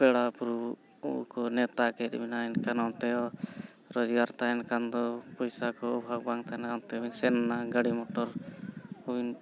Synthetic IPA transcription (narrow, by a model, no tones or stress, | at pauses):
pɛɽapuɾ | ukɔnɛt̪akɛɾbinajnkanɔnt̪ɛɔ | ɾɔd͡ʒɡaɾt̪ajnkand̪ɔpɔjsakɔɔbʱaɡ̚baŋt̪ʰajnɔnt̪ɛbinsɛnːaɡəɽimɔʈɔɾ | ɔin